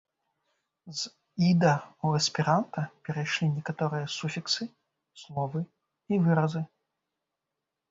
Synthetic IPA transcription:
z | id̪ɐuɐsʲpʲɛɾant̪ɐpʲɛɾajʂlʲinʲɛkat̪ɔɾɨjɐsufʲiksɨ | slˠɔvɨ | ivɨɾɐzɨ

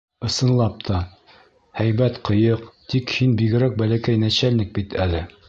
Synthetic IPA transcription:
ɤ̆sɤ̆nlˠɑp̚t̪ʰɑ | hæjbæt̪qɤ̆jɤqt̪ikhinbiɡɘ̆ɾæk̚bælækæjnæɕælnɘk̚bit̪ʰælɘ

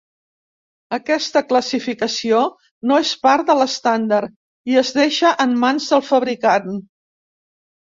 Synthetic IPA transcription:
əkɛst̪əkləsifikəsio | noespaɾd̪ələst̪and̪əɾ | iəzðeʃəʔəmːanzðəlˠfəβɾikan

